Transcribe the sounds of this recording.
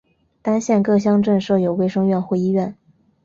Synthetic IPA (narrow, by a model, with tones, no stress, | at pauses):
t̪a˥nɕjɛ˥˧nkɤ˥˩ɕ̬jɑ˥˧ŋʈ͡ʂɤ˥˧nʂɤ˥˩jo˨˩ʊwe˥˩ɪʂɤ˥ŋɥɛ˥˧nxwe˥˧ɪi˥ɥɛ˥˩n